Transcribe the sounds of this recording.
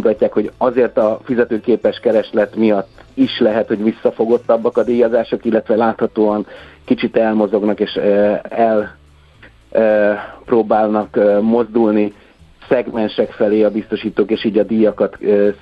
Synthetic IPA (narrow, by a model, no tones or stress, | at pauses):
ut̪ɒcːaːkho̞ɟɒzeːrt̪ɒfizɛt̪øːkeːpɛʃkɛɾɛʃlɛt̪mijɒt̪ːiʃlɛɦɛt̪ho̞ɟʋisːɒfo̞ɡo̞t̪ːɒbːɒkɒd̪iːjɒzaːʃo̞kilːɛt̪ʋɛlaːt̪hɒt̪oːɒŋkit͡ʃit̪ɛlmo̞zo̞ɡnɒkeːʃɛl | proːbaːlnɒkmo̞zd̪ulni | sɛɡmɛnʃɛkfɛleːɒbist̪o̞ʃiːt̪oːkeːʃiːɟɒd̪ijɒkɒt̪ː